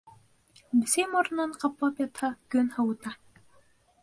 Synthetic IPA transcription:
bɘ̆sejmoɾnːɑɴqɑplɑpjɑt̪hɑkɵnhɑwut̪ɑ

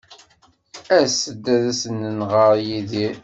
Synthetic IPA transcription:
æsəd̪ːæðæsənənʁəɾjiði

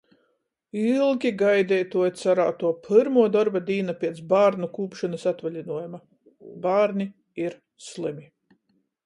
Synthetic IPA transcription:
ilˠɡʲiɡajd̪ʲɛːjt̪uɔt̪saɾaːt̪uɔpʰɨɾmuɔd̪ɔɾbad̪iːnapʲiɛt̪sbaːɾnukuːpʃɔnɐsat̪valʲinuɔjuma | baːɾni | iɾ | slˠɨmi

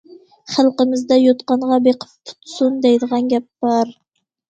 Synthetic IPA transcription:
χælˠqəmɪzd̪ɛjot̪qɑɴʁɑbeqʰə̥ppʰʊ̥t̪sund̪ɛjd̪əʁɑnɡʲɛp̚b̥ɑɾ

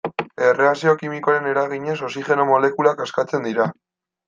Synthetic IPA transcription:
e̞re̞asio̞kimiko̞aɾe̞ne̞ɾaɣ̞iɲe̞so̞siʝe̞no̞mo̞le̞kulakaskat͡se̞nd̪iɾa

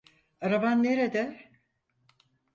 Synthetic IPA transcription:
aɾabanːeɾed̪ɛ

